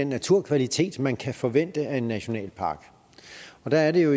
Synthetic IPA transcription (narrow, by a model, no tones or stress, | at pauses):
enːæt͡sʰuɐ̰kʰʋælit͡sʰe̝̰ːd̥mænkʰæfɒ̽ʋen̰d̥əæe̝nːæɕo̝nɛ̰ːlpʰɑ̈ːɡ̥ | ɒ̽d̥ææɐɾe̝jo̝